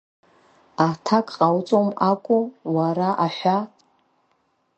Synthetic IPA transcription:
atʰakʼqʼawt͡sʼomakʷʼʊwaɾaʔaħʷa

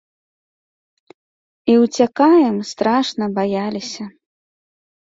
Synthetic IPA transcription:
iwt͡sʲakajɛmst̪ɾaʂnɐbajalʲisʲɐ

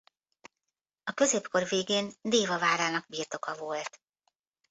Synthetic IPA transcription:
ɒkø̞zeːpko̞rveːɡeːnd̪eːvɒvaːɾaːnɒɡ̥̚biːrt̪o̞kɒvo̞lt̪

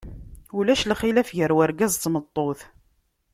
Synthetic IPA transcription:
ulæʃlχilæfʝəɾwaɾɡæzˤt̪ːmət̪ˤːoθ

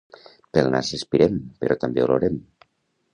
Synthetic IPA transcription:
pelna̰sespiɾempeɾɔt̪ambeolo̰ɾem

